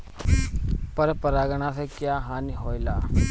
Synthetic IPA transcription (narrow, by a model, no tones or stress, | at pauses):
pəɾpəɾaːɡəɽãːseːkjaːɦaːniɦoːilaː